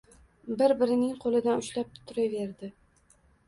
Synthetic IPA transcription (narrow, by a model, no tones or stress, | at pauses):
bɪɾbɪɾɪnɪŋqʰolˠɪd̪anʊʃlap̚tt̪ʰːʊɾave̞ɾd̪ɪ